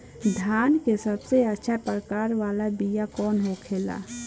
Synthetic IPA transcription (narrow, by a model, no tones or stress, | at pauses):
d̪ʱjaːnkesəbseətːʃʰapɾəkaːɾʋaːlabijakɔːnɦokʰeːla̰ː